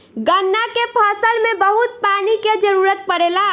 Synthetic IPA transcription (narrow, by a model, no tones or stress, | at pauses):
ɡənːakepʰəsəlmebəɦut̪̚paniked͡ʒəɾuɾət̪̚pəɾela